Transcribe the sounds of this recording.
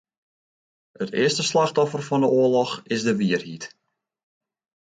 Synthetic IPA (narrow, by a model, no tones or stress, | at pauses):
ətɪ̰əstəslaxtɔfərfɔndəuəlɔxɪsdəʋiərhit